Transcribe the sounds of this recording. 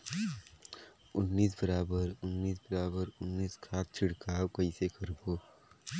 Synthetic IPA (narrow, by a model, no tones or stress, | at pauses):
ʊnːiːs̬bəɾaːbəɾʊnːiːsbəɾaːbəɾʊnːiːskʰaːt̪̚t͡ʃʰɪɽkaːwkəisekəɾboː